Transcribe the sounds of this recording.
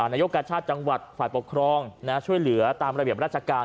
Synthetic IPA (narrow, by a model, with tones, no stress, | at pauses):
naː˧˩jo˦˥kːaː˧t͡ɕʰaː˥˩t̪̚t͡ɕa˧ŋwa˨˩t̪̚faː˨˩jpo˨˩kʰɾɔː˧ŋna˦˥t͡ɕʰu˥˩əjlɯ˩˦ɐt̪aː˧mɾa˧bi˨˩əpɾaː˥˩t͡ɕʰa˧kaː˧